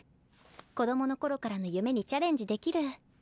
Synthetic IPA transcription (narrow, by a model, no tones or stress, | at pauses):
ko̞d̪o̞mo̞no̞ko̞ɾo̞kaɾano̞jɯ̟me̞ɲ̟it͡ɕaɾẽ̞ɲ̟d͡ʑid̪e̞kʲiɾɯ̟